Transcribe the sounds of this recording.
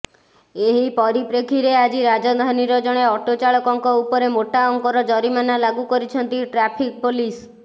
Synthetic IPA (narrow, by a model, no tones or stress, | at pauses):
eɦipɔɾipɾekʰiɾead͡ʒiɾad͡ʒɔd̪ʱaniɾɔd͡ʒɔɽ̃eɔʈot͡ʃaɭɔkɔŋkɔupɔɾemoʈaɔŋkɔɾɔd͡ʒɔɾimanalaɡukɔɾit͡ʃʰɔnt̪iʈɾapʰik̚polis